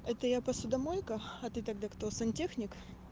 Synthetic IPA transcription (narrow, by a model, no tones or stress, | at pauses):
ɛt̪əjapɐsʊd̪ɐmojʲkəɐt̪ɨt̪ɐɡ̚d̪akt̪osɨnʲtʲexnʲɪk